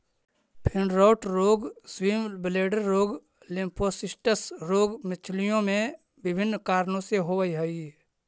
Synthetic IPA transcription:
pʰɪɳɾoːʈɾoːɡswiːmbleːɖəɾːoːɡ | lɪmpʰosɪsʈəsɾoːɡmɪt͡ʃʰlijõmẽ | bɪbʱɪnːkaːɾnõseɦoːʋəiɦəi

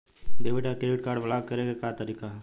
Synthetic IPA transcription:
ɖebeʈakɾeɖiʈ̚kaːɾɖbʱəlaːɡ̚kəɾekekaːt̪əɾikaɦ

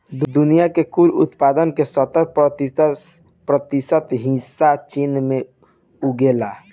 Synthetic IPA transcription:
d̪d̪unijakekuɾṵt̪pad̪ənkesət̪əɾp̪ | pɾət̪isət̪ɦĩsat͡ʃinme | uɡela

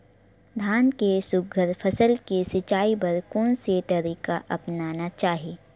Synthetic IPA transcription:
d̪ʱaːnkesʊɡʱəɾpʰəsəlkesɪt͡ʃaːipɐɾkɔ̃ːnset̪ɐɾiːkaʔɐpnaːnat͡ʃaːɦieː

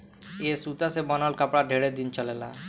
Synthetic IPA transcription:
esut̪asebɔnɔlkapɽaɖʱeɽed̪int͡ɕɔlela̰

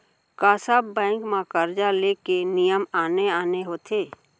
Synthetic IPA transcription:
kaːsabbɛ̃ːŋkmãkəɾd͡ʒaleːkenijəmaːneaːneɦoːt̪ʰeː

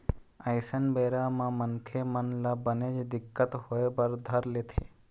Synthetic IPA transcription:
əɪsənbeːɾamãmənkʰemənlabəned͡ʒd̪ɪkːət̪hoebɐɾd̪ʱɐɾleːt̪ʰḛː

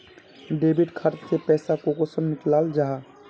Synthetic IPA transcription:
ɖeːbiʈkʰəɾt͡ʃsepɛːsakokosəmnɪklaːld͡ʒaɦa

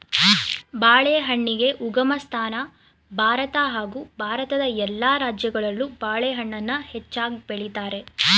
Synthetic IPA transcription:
baːɭeɦɐɳːiɡe̞ʔuɡɐmɐst̪ʰaːnɐ | bʱaːɾɐt̪ɐɦaːɡuːbʱaːɾɐt̪ɐd̪ɐɛlːaːɾaːd͡ʒjɐɡɐɭɐlːubaːɭeɦɐɳːɐnːɐhɛt͡ʃːaːɡibeɭit̪aːɾe̞

